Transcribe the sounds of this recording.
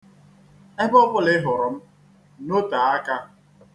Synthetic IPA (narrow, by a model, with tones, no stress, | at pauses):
e˦bɔ˦pʊ˦lɪ˦ɦʊ˨ɾʊ˨m̩˦ | no˦ta˨a˦ka˦